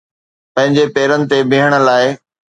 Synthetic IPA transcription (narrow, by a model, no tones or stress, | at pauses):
pɐ̃ɦɪ̃ɲd͡ʑepeːɾənɪ̆t̪ebʱiɦəɽ̃ə̆laːɪ